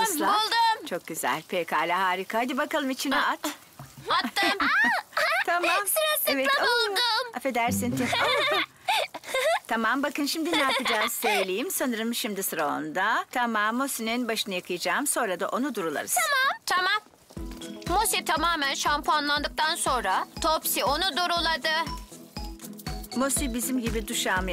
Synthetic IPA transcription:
sˠabulˠd̪umt͡ʃʰo̞k̚ɟyzæ̰lʲpʰekʰaːlʲaɦaːɾikʰaajd̪ibakalˠɯmit͡ʃʰinat̪ | aːm | t̪ʰamamsɾasɛvɛt̪ulˠd̪ʊmafed̪æɾsint̪ʰia | t̪ʰamambakɯnʃimd̪inaːppɯd͡ʒaːz̥søjlʲejimsanɯɾɯmʃimd̪isɯɾao̰nd̪at̪ʰamamːo̞sininbaʃɯnajakʰɯjad͡ʒaːmso̞nɾad̪aʔo̞nud̪uɾulˠa̰ɾɯz̥mt̪ʰamamː | osit̪ʰamaːmænʃampʰanlˠand̪ɯk̚t̪ʰanso̞nɾat̪ʰopsio̞nud̪oɾulˠad̪ɯ | mosibizimɟibid̪uʃaːm

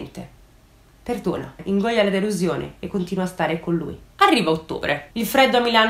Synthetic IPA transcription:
nt̪e | perd̪oːna̰iŋɡɔʎːalad̪eluzjoːnḛekːont̪iːnuwast̪aːɾekonlṵːjarːiːvaot̪ːo̰ːbɾʔeilfɾɛd̪ːoamːilaːn

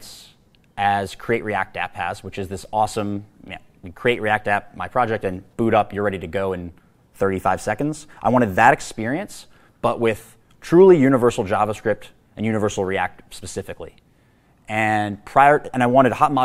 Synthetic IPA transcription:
s | ʔɨz̥kʰɹ̥ieɪʔ̚ɹiæ̰k̚tæ̰pʰæswət͡ʃɨzðɪsɔsə̃mjæ̰ | kʰɹ̥ieɪʔ̚ɹiæk̚tæp̚maɪpʰɹ̥ɑd͡ʒɛk̚tɨ̃nb̥ʉɾʌpjə˞ɹɛɾiɾɨɡoʊɨ̃n | θɜ˞ɾifaɪv̥sɛkn̩dz̥ʔaɪwɑ̃ɾ̃ɨd̪̚ðəɾɨkspɪɹiɨ̃ns | b̥ʌʔwɪð̥ | tʰɹ̥ulˠijʉñɨvɜ˞sl̩ˠd͡ʒɑvəskɹɪp̚t | ɨ̃njʉñɨvɜ˞sl̩ˠɹiæ̰k̚t̚spɨsɪfɨklḭ | ɨ̃npʰɹ̥aɪə˞ɨ̃ñaɪwɑ̃ɾ̃ɨd̚hɑt̚ma

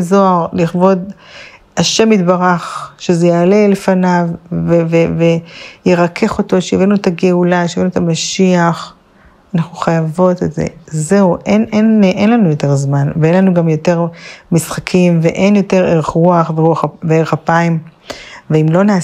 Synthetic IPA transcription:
zo̞aʁliχvo̞d | aʃe̞mitbaʁaχʃezejaːle̞le̞fanavːevevejeʁakʰe̞χo̞to̞ʃeivenuetaɡeulaʃeivenuetamaʃiaχ | anaχnuχajavo̞tetzḛze̞uʔenenʔenlanujo̞te̞ʁzmanveenlanuɡamjo̞te̞ʁmisχakʰimveʔe̞njo̞te̞ʁeʁeχʁuaχveʁuaχveeʁeχapaim | veimlo̞naː

